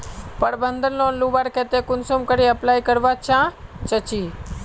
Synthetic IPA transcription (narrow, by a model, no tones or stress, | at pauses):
pəɽbənd̪ənloːnluːbaɾkeːt̪ekʊnsoːmkəɾiəplaːikəɾʋat͡ʃʰãːt͡ʃət͡ʃiː